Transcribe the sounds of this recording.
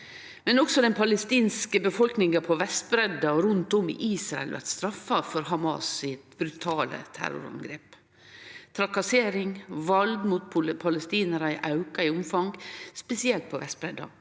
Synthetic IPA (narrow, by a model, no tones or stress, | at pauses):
mɛnɔksɔd̪ɛnpʰɑləst̪iːnskəbəfɔlknɪŋɑpʰɔʋɛst̪̚bɾɛd̪ɑɾʉnt̪ɔmɪ̰ʔiːsɾɑɛ̰lʋæ̰ɾt̪st̪ɾɑfːɑfɔɾhɑmɑ̰sɪt̪bɾʉt̪ʰɑːlə̰t̪ʰæ̰ɾʊ̰ɾɑ̰ŋɡɾḛːp | t̪ʰɾɑkɑseːɾɪŋʋɑlɡmut̪̚pʰʊpʰɑləst̪iːnəɾɑɪʔɑʉkɑɪʊmfɑŋɡspɛsɪɛlt̪̚pʰɔʋɛst̪̚bɾɛd̪ːɑ̰